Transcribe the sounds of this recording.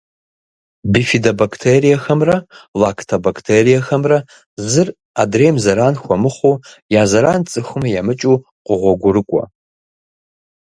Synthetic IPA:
bifidabakʰtʰerijaxɐmrɐlakʰtʰobakʰtʰerijaxɐmrɐ | zɨr | adremzɐɾanxʷamɨχʷo | jazɐɾant͡sʼɨxʷmɐjamɨt͡ʃʼu | qʷʼʊʁʷɔɡʷʊɾɨkʷʼɔ̰

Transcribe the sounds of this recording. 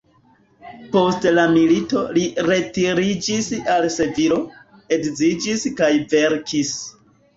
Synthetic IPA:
po̞stlamilito̞liɾe̞tiɾid͡ʒisalse̞viɾo̞ | e̞kzid͡ʒiskajve̞ɾkʰis

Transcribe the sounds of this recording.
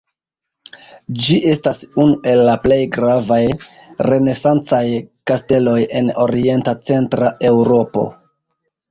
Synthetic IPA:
d͡ʒiʔe̞stasunuʔe̞lːaple̞jɡɾavaj | re̞ne̞sant͡sajkaste̞lo̞je̞no̞ɾie̞ntat͡se̞ntɾaʔe̞wɾo̞po̞̰

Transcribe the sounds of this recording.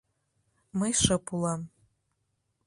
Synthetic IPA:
mɨjʂɨpʰulˠam

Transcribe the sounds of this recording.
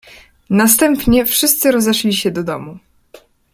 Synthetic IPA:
nast̪ɛmpɲɛfʂɘst̪sɘɾɔzɛʂlʲiɕɛd̪ɔd̪ɔmu

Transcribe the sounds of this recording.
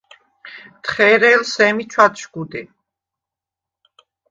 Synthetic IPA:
t̪χɛɾɛlsɛmit͡ʃʰwat̪ʃɡud̪i

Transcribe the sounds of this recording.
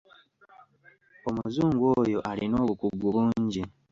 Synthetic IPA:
o̞muzuːŋɡwo̞ːjo̞ʔalino̞ːβukuɡːuβuːɲɟi

